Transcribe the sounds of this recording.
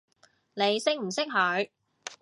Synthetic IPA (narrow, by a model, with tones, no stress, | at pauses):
ne˨˧jsɪ˥k̚m̩˨˩sɪ˥k̚ɦɵ˨˥ɥ